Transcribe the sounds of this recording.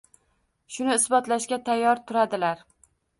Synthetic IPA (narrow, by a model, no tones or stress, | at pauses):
ʃʊnɪːsbɒt̪laʃkʲat̪ʰajːɒɾt̪ʰʊɾad̪ɪlaɾ